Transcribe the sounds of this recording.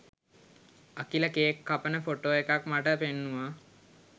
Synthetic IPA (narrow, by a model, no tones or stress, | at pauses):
əkiləkeːkʰːapənəfoʈoːekakmaʈəpenːuʋa